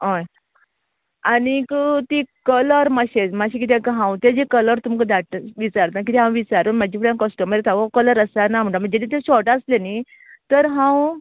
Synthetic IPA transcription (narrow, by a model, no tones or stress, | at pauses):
ɦɔj | añikət̪ikələɾməɕet͡smaɕikit̪̬ʰẽkəɦãwt̪ed͡ʑekələɾt̪umkəd̪aʈʋit͡saɾt̪nak̬it̪iɦãw̃ʋit͡saɾunmad͡ʑipuɽãnkəsʈəməd͡zet̪ʰaʋakələɾəsanam̤əɳʈam̤əɳd͡ʑed̪ĩt̪eɕɔʈasleni | t̪əɾɦãw